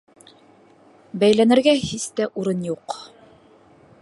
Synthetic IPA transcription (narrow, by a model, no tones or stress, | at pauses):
bæjlænɘ̆ɾɡæhist̪æʔuɾɤnjuq